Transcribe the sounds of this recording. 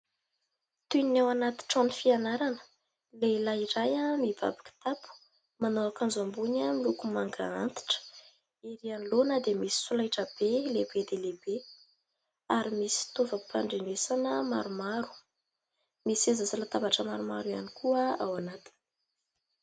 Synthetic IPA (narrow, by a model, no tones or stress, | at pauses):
t̪unawanat̪i̥ʈ͡ʂonifianaɾanə̥ | lelaiɾajamiba̰bḁki̥t̪apu̥ | manoakanzambunamilukumaŋɡa̰ant̪i̥ʈ͡ʂə̥ | iɾianlonəd̪emisi̥sulajʈ͡ʂəb̥elebed̪elebe | aɾimisi̥t̪ovəpʰa̰ɳɖ͡ʐeɳesanəma̰ɾumaɾu̥ | misezazalat̪abaʈ͡ʂəmaɾumaɾuja̰nikʰuəawanat̪i̥ni̥